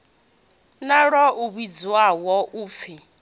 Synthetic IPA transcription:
naɺɔʔuβid͡zwawɔʔuːp̪fi

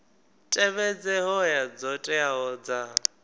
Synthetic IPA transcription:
tʼɛβɛd͡zɛɦɔjad͡zɔtʼɛaɦɔd͡za

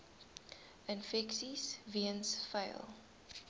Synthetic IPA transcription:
ənfɛksisviənsfə̰ɪlˠ

